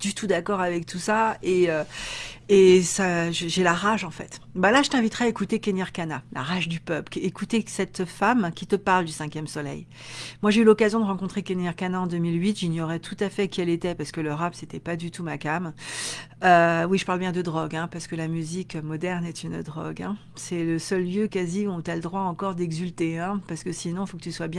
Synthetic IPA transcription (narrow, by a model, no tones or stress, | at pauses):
d̪̥yt̪ʰud̪akɔʁavɛk̚t̪ʰusaeø | esaʒəʒelaʁaʒɑ̃fɛ̰t̪balaʒət̪ɛ̃vit̪χɛaekut̪ekenjaʁkanala̰ʁaʒd̪ypœplekut̪esɛt̪famkʲit̪əpaʁld̪ysɛ̃kʲjɛmsɔlɛ̰j | mwaʒeylɔkazjɔ̃d̪əʁɑ̃kɔ̃t̪χekenjaʁkanaɑ̃d̪ømilɥit̪ʒiɲjɔʁɛt̪ʰut̪afɛkʲiɛlet̪ɛpaʁsə̥kələʁapset̪ɛpad̪yt̪umakam | øwiʒəpaʁlbjɛ̃d̪əd̪ʁɔɡɛ̃paʁsə̥kəlamyzikømɔd̪ɛʁnɛt̪ynd̪ʁɔ̰ɡɛ̰̃ | sɛləsœlːjøkaziɔ̃t̪yaləd̪ʁwaɑ̃kɔʁd̪ɛɡzylt̪eɛ̃paʁsə̥kəsinɔ̃fokət̪yswabjɛ̃